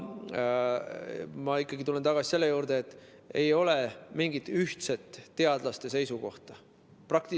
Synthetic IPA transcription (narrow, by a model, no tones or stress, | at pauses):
mɑikːˑɑɡit̪ule̞nt̪ɑɡ̥ɑsi̥se̞lːe̞juːɾd̪e̞ːt̪ːˑ | ejo̞le̞miŋɡit̪ːyht̪se̞t̪ˑːe̞ɑd̪̥lɑst̪e̞s̬e̞jsuko̞̰ht̪ɑ | prɑkt̪i